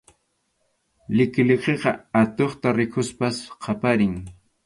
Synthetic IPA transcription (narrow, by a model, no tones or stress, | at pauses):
lɪkleqeqɑat̪oχt̪aɾɪkʰʊspasqʰɑpaɾɪŋ